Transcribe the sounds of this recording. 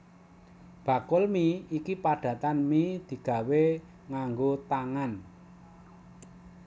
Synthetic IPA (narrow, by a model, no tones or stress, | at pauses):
b̥ä̤kʊlmiikipaɖ̥ä̤t̪anmid̪̥i̤ɡ̥ä̤we | ŋaŋɡot̪aŋan